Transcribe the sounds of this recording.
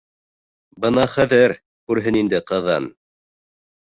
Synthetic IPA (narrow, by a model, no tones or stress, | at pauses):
bɤnɑχæðɘɾ | kʉɾɦɘnind̪ɘqɤ̆ðɑ̰n